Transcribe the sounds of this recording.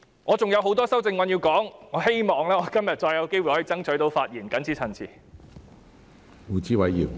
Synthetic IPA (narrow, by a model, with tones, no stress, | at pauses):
ŋɔː˨˧t͡sʊ˨ŋjɐ˨˧wɦo˨˥wt̪ɔː˥sɐ˥wt͡sɪ˧ŋwɐ˧nji˧wkɔː˨˥ŋŋɔː˨˧he˥jmɔː˨˩ŋlɛː˥ŋɔː˨˧kɐ˥mjɐ˨t̚t͡ʃɔː˧jɐ˨˧wke˥jwu˨jhɔː˨˥˧t͡sɐ˥ŋt͡ʃʰɵ˨˥jt̪o˨˧wfaː˧t̚jiː˨˩nkɐ˨˥nt͡sʰiː˨˥t͡sʰɐ˨˩nt͡sʰiː˨˩ | uː˨˧t͡siː˥wɐ˨jjiː˨˩w